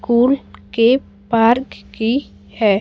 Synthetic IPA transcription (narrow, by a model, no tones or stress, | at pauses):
kuːlke | paːɾkki | hɛː